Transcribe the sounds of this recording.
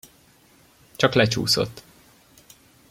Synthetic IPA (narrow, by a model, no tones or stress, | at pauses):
t͡ʃɒklɛt͡ʃṵːso̰t̪ː